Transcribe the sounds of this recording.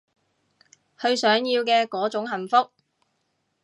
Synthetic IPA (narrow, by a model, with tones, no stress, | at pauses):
hɵ˧ɥsœː˨˥ŋjiː˧wkɛː˧kɔː˨˥t͡ʃʊ˨˥ŋɦɐ˨˩nfʊ˥k̚